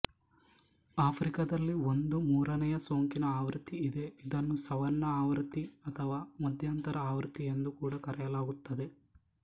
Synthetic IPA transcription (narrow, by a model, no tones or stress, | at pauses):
aːpʰɾikɐd̪ɐlːio̞nd̪umuːɾɐnɛjɐso̞ːŋkinɐaːʋɾt̪iːd̪e̞id̪ɐnːusɐʋɐnːɐaːʋɾt̪ːiɐt̪ʰɐʋaːmɐd̪ʱjaːnt̪ɐɾɐaːʋɾt̪ie̞nd̪ukuːɽɐkɐɾɛjɐlaːɡut̪ːɐd̪e̞